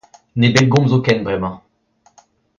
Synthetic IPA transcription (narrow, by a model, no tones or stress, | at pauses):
nebɛlɡɔ̃mzokɛnbʁɛmɑ̃